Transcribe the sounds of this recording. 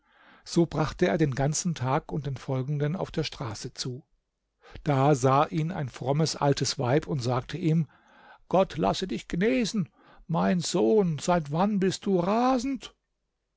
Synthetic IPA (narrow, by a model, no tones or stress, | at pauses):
z̥oːbʁaχtəeːɐdeːnɡant͡sn̩tʰaːkʊnt̚d̥eːnfɔlɡŋ̩dəna̰ʊfd̥eːɐʃtʁ̥aːsət͡suː | d̥aːzaːʔiːna̰ɪnfʁ̥ɔməsʔa̰ltʰəsv̥aɪpʰʊntz̥aːk̚tʰəʔiːm | ɡ̥ɔtʰla̰sədɪçɡ̥əneːzn̩ | maɪnzoːnz̥aɪtv̥anbɪst̚d̥uːʁaːzn̩t